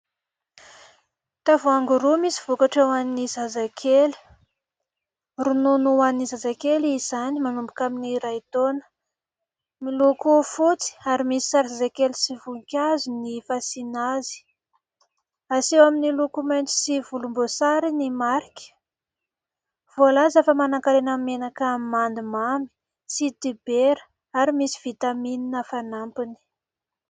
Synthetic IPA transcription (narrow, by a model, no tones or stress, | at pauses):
t̪avoaŋɡuɾumisiv̥ukaʈ͡ʂewaninizazakʰeli̥ | rununuanizazakelizanimanumbukaminiɾait̪onə̥ | milukufut͡si̥aɾimisi̥saɾzazakelisivuikʲazinifasinazi̥ | asewaminilukumajnt͡si̥sivulumbosaɾinimaɾikʲə̥ | v̥olazafəmanaŋkaɾenamenakamand̪imami̥ | sit̪ibeɾə | aɾimisi̥v̥it̪amininəfanampini̥